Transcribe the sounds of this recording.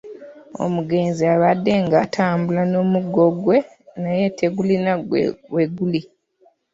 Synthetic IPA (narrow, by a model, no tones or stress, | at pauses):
o̞̰muɡe̞ːnziaβadːe̞ŋɡatʰaːmbulano̞ːmuɡo̞ɡwe̞ | naje̞tʰeɡulinaweɡuli